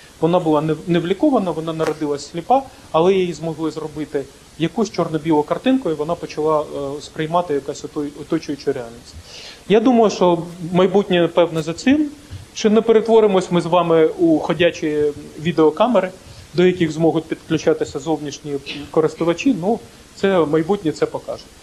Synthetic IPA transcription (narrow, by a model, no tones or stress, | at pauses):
ʋɔnɑbʊlˠɑnɛnɛʋlʲikɔʋɐnɐʋɔnɑnɐɾɔd̪ɪlˠɐsʲsʲlʲipɑ | ɐlˠɛjijizmɔɦlˠɪzrɔbɪt̪ɪ | jɐkusʲt͡ʃɔrnɔbʲilˠɔkɐrt̪ɪnkɔjʊʋɔnɑpɔt͡ʃɐlˠɑspɾɪjmɑt̪ɪjɐkɑsʲɔt̪ɔjɔt̪ɔt͡ʃɔjʊt͡ʃʊɾeɑlʲnʲisʲtʲjad̪umɐjʊʃt͡ʃɔmɐjbutʲnʲipɛwnɐzɐt̪sɪmt͡ʃɪnɛpeɾet̪ʋɔɾɪmɔsʲmɪzʋɑmɪuxɔdʲat͡ʃijʋʲid̪eɔkɑmeɾɪd̪ɔjɐkʲiɣzmɔɦʊt̚ʲpʲid̪klʲʉt͡ʃɑt̪ɪsʲɐzɔwnʲiʃnʲikɔɾɪst̪ʊʋɐt͡ʃinu | t̪sɛmɐjbutʲnʲit̪sɛpɔkɑʒʊ